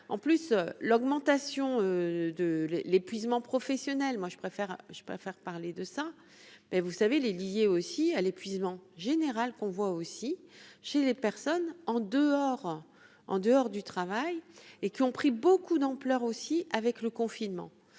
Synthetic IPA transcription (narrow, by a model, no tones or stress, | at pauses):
ɑ̰̃plysølɔɡmɑ̃t̪asjɔ̃ød̪əllepɥizmɑ̃pχɔfɛsjɔnɛlmwaʒəpχefɛʁʒ̥əpχefɛʁpaʁled̪əsa | mɛvusavelelijeosialepɥizmɑ̃ʒeneʁalkɔ̃vwaosiʃelepɛʁsɔnɑ̃d̪əɔʁ | ɑ̰̃d̪əɔʁd̪yt̪χavajekʲiɔ̃pχibokud̪ɑ̃plœʁosiavɛkləkɔ̃finmɑ̰̃